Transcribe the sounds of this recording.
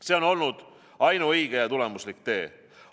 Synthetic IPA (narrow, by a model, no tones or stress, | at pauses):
se̞ːo̞no̞lnud̪̥ | ɑjnuɤjɡ̥e̞jɑt̪ule̞muslikt̪e̞̰ː